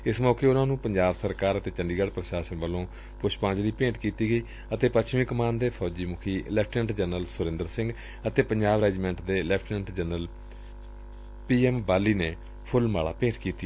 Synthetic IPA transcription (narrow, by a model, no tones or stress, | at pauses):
ɪsmɔːkeːʊnãːnũːpəɲd͡ʒaːbsəɾkaːɾət̪eːt͡ʃəɳɖiːɡəɽpɾəʃaːʃənʋəlõː | pʊt͡ʃʰpãːd͡ʒd̪iːpẽːʈkiːt̪iːɡəiː | ət̪eːpəʃʰmĩːkəmaːnd̪eːpʰɔːd͡ʒiːmʊkʰiːlɛp̚ʰʈəɳʈd͡ʒənəlsʊɾɪ̃nd̪əɾsɪ̃ŋɡ | ət̪eːpəɲd͡ʒaːʋɾɛːd͡ʒimɛ̃ɳʈd̪eːlɛːpʰʈnɛɳʈd͡ʒənəl | piːɛːmbaːlːiːneː | pʰʊlmaːɭa̰ːpẽːʈkiːt̪iaː